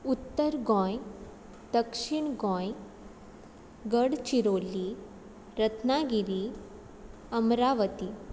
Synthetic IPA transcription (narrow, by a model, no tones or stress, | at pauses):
ut̪ːəɾɡɔ̃j | d̪əkʂiɳɡɔ̃j | ɡəɽt͡ɕiɾolːi | ɾət̪naɡiɾiː | əmɾaʋət̪i